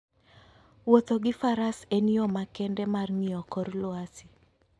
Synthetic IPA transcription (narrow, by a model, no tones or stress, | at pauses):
wot̪oɡɪfaɾaseniɔmakɛndɛmarŋiɔkɔrlʊasi